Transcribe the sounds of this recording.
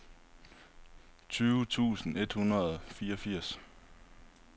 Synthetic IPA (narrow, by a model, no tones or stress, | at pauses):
t͡sʰyːʊt͡sʰṵːsn̩e̝d̥hunɐð̩ˠfiːɐɒfiɐ̰s